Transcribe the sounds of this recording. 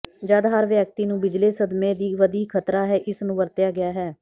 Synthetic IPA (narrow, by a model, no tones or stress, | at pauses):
d͡ʒəd̪ɦəɾʋjɛːk̚t̪iːnũːbɪd͡ʒleːsəd̪mẽːd̪iːʋəd̪iːkʰət̪ɾaːɦɛːʔɪsnũːʋəɾt̪jaːɡɪjaːɦɛː